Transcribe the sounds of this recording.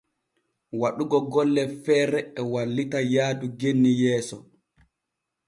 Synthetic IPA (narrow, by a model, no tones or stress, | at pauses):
waɗuɡɔɡɔlːɛfɛːɾɛɛwalːitajaːduɡenːijɛːsɔ